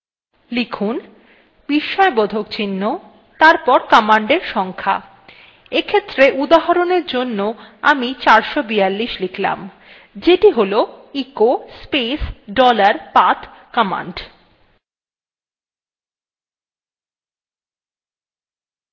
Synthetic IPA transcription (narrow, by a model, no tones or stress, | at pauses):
likʰun | biʃːɔebɔd̪ʱokt͡ɕinːo | t̪aɾpɔɾkɔmaɳɖeɾʃɔŋkʰa̰ | ekʰet̪ːɾeʔud̪aɦaɾoneɾd͡ʑonːoa̰mit͡ɕaɾʃobijalːiʃlikʰla̰m | d͡ʑeʈiɦoloikospesɖɔlaɾpat̪ʰkɔma̰ɳɖ